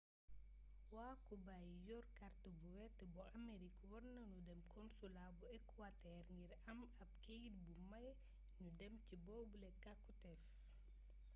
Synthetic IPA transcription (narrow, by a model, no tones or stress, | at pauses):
waːkubajjɔrkɐrtəbuwɛtːəbɔʔɐmeɾikwɔrnɐnudɛmkʰɔnsulabuɛkːwatɛrŋɡiɾɐmɐp̚keɡit̚bumɐj | ɲudɛmcibɔːbulɛkakːutɛf